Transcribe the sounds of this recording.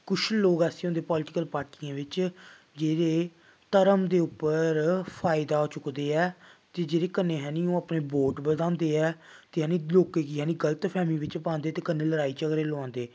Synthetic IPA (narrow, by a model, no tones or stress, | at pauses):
kʊt͡ʃʰloːɡɛːseõnd̪eːpɔːlʈɪkəlpaːɾʈiãːʋɪt͡ʃ | d͡ʒeːɾeː | t̪əɾəmd̪eːʊpːəɾpʰaːɪd̪aːɦoːt͡ʃʊkd̪eːɛːt̪eːd͡ʒeːɾeːkənːeːɦɛːniõːapneːboːʈbəd̪ãːnd̪eːɛː | t̪eːɛːnĩːloːkeːkijaːnĩːɡələt̪pʰɛːmiːʋɪt͡ʃpãːnd̪eːt̪eːkənːeːləɾaːiːt͡ʃəɡɾeːlãːnd̪eː